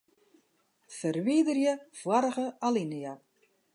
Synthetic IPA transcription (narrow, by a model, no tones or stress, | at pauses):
fərʋiːdərjəfwaɾəɣəalinəja